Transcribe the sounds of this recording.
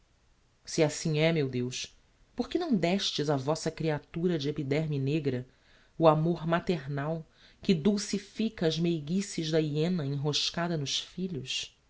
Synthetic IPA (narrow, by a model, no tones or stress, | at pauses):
siasĩɛmewd̪ewʃ | poχkɪnɐ̃w̃d̪ɛʃt͡ʃɪzɐvɔsɐkɾiat̪uɾɐd͡ʒɪepid̪ɛɾmjɐneɡɾɐ | uamoɾmat̪eɾnaw | kɪd̪owsifikɐːzmejɡisiʒd̪ɐiẽnɐẽɦoʃkad̪ɐnʊʃfiʎʊs